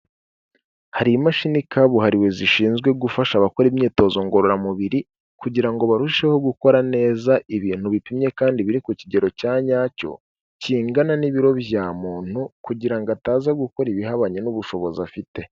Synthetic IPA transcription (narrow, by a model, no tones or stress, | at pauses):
haɾimaʃinikaβuɦaɾiwe̞ziʃiːnzɡwe̞ɡufaʃaβako̞ɾimɲiːto̞ːzo̞ŋɡo̞ɾoɾamuβiɾi | kuɟiɾaŋɡo̞βaɾuʃe̞ho̞ɡuko̞ɾane̞ːzaiβiːn̥huβipimɲe̞kaːndiβiɾikuciɟe̞ɾo̞caːɲaːco̞̰ | ciːŋɡananiβiɾo̞βjaːmuːn̥hukuɟiɾaŋɡataːzaɡuko̞ɾiβiɦaβaɲenuβuʃo̞βo̞zafite̞